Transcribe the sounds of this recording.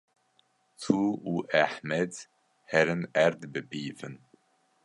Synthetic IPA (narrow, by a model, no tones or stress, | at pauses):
t̪ʰuːuʔæħmɛd̪ | hɛɾənæɾd̪bɨbiːvən